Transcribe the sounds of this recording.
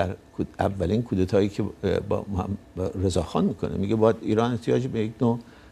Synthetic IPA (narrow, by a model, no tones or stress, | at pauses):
æɾkːævːæliːnkʰuːd̪et̪ʰɒːjiːkʰeb̰m̰ɾezɒːxɒ̰ːnmikʰo̞̰nḛmiɡebɒːjæd̪iːɾɒːne̞ht̪ʰijɒːd͡ʒebejeknoː